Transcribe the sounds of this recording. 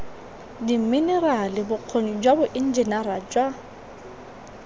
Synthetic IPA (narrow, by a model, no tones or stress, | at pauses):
dim̩minɛralɪbʊq͡χʰonid͡ʒwabʊʔɪn̩d͡ʒɛnaɾad͡ʒwa